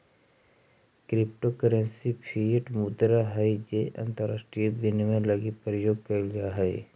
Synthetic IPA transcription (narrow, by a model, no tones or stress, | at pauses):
kɾɪp̚ʈokəɾə̃nsipʰieʈmʊd̪ɾaɦɐid͡ʒeʔɐ̰̃nt̪əɾaːsʈɾijəbɪnmẽlɐɡipɾjoːɡkəlɡaɦɛi